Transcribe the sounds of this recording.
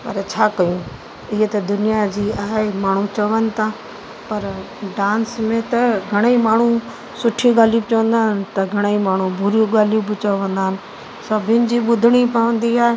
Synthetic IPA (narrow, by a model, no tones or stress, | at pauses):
pɐɾt͡ɕʰaːkɐjũ | ɪɦet̪ɐd̪ʊnijad͡ʑiːaːɦemaːɳ̤ut͡ɕɐʋənɪ̆t̪ʰãː | pɐɾ | ɖãːnsmẽt̪ɐɡʱɐɽ̃imaːɳ̤u | sʊʈʰiɡaːlijubt͡ɕɐʋə̃nd̪aːɪnɪ̆t̪ɐɡʱɐɽ̃eimaːɳ̤ũbʱʊɾijũɡaːlijubɪt͡ɕəʋə̃nd̪aːɦɪnɪ̆ | sɐbʱɪʊnɪ̆d͡ʑiːɓʊd̪ʱɪɽ̃ipɐʋə̃n̆d̪iaːɦe